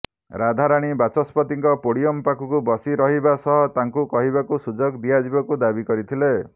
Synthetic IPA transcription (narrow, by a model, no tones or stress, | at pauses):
ɾad̪ʱaɾaɽ̃ibat͡ʃɔspɔt̪iŋkɔpoɽiɔmpakʰukubɔsiɾɔɦibasɔɦɔt̪aŋkukɔɦibakusud͡ʒɔɡd̪iad͡ʒibɔkud̪abikɔɾit̪ʰile